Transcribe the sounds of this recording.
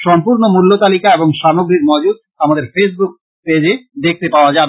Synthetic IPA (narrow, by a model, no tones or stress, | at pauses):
ʃɔmpuɾnomulːot̪alikaeboŋʃamoɡɾiɾmod͡ʑud̪̚ | amad̪eɾfes̬buk̚ | ped͡ʑed̪ek̚ʰt̪epaoad͡ʑabe